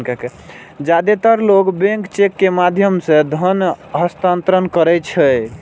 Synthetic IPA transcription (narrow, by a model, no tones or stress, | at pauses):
kake | d͡ʒad̪et̪əɾloɡbẽŋkt͡ʃekːemad̪ʱjəmsẽd̪ʱənɦəst̪ant̪ɾənkəɾɛt͡ʃʰəj